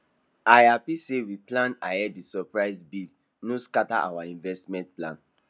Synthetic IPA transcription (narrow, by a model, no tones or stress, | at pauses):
ajapisewiplãnaɛdisɔpɹaɪsbi | noskata̰ʔa̰waĩnvɛstmɛ̃nt̚plã̰n